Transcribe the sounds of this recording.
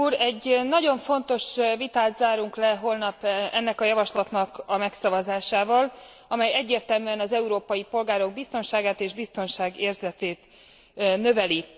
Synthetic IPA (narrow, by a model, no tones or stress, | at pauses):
uːɾɛɟːnɒɟo̞ɱfo̞nt̪o̞ʃvit̪aːt̪zaːɾuŋklɛɦo̞lnɒpɛnːɛkɒjɒvɒʃlɒt̪nɒkɒmɛksɒvɒzaːʃaːvɒl | ɒmɛjɛɟːeːrt̪ɛlmyɛnɒzɛuɾoːpɒjipo̞lɡaːɾo̞ɡ̚bist̪o̞nʃaːɡaːt̪eːʒbist̪o̞nʃaːɡeːrzɛt̪eːt̪ | nø̞vɛli